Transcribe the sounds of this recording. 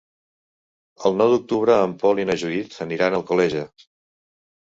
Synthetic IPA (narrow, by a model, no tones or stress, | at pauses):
əlˠnɔwd̪uk̚t̪uβ̞ɾəːmpɔlinəʒuit̪əniɾanəlˠkulɛʒə